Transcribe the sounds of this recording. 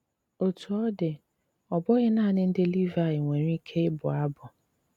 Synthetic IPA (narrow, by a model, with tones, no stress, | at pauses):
o˨tʰu˨ɔ˦dɪ˨ | ɔ˨bɔ˦ɣɪ˦naː˦˨nɪ˦n̩˦dɪ˦li˦va˨ɪ˨ŋʷe˨ɲʷi˦kʰe˦ɪ˦bʊ˨a˦bʊ˨